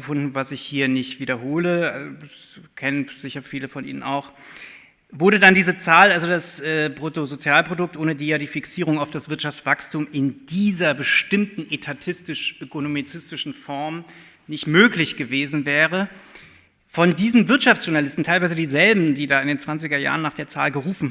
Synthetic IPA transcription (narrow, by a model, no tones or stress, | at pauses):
əfʊndn̩vasɪçhiːɐnɪçtv̥iːdɐɦoːlə̰ | kʰɛnənz̥ɪçɐfiːləfɔnʔḭːnə̰nʔa̰ʊx | vʊɐɾədandiːzət͡saːlʔalzodasʔɛːpʁ̥otozot͡sjaːlpʁ̥odʊk̚tʔoːnədiːjaːdiːfiksiːʁʊŋaʊfd̥asv̥ɪɐtʃaft͡sv̥akstʰuːmɪnd̥iːzɐbəʃtɪmtn̩ʔetʰatʰɪstɪʃʔøkonomit͡sɪstɪʃn̩fɔɐm | nɪçtmøːklɪçɡ̥əveːzn̩vɛːʁə | fɔndiːzn̩vɪɐtʃaftt͡sʒ̥ʊɐnalɪstn̩tʰaɪlvaɪzədiːzɛlbm̩diːdaːɪndeːnt͡sv̥ant͡sɪɡɐja̰ːʁənːaːχd̥eːɐt͡sa̰ːlɡəʁuːfn̩